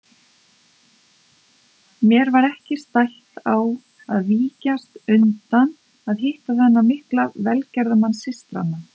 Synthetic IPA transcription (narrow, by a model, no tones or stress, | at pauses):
mjɛɾvaɾɛhcɪst̪ajht̪aw | aðviːcast̪ʏnt̪an | aðɦɪht̪aθɛnːamɪhklavɛlcɛɾðʏmansɪst̪ɾa̰nːa